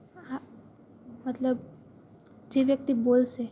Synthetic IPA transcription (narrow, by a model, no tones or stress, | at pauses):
a | mət̪ləb | d͡ʒeʋjək̚t̪iboːlse